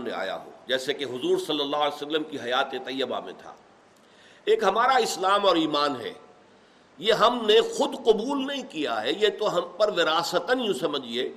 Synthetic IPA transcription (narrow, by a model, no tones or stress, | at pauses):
nḛ̃a̰ːja̰ɦo̰ːd͡ʒɛːsekeɦʊzuːɾsɐlːəlːaːɦːlesəlːəmkiɦɐjaːt̪ẽt̪ɐjːəba̰mḛ̃t̪ʰa̰ː | eːkɦɐmaːɾaɪslaːmɔːɾiːmaːnɦɛ̰ː | jeɦɐmnexʊd̪qʊbuːlnɐɦĩkija̰ɦɛjet̪oɦɐmpɐɾʋɪɾaːsət̪ənjũsɐməd͡ʒʱieː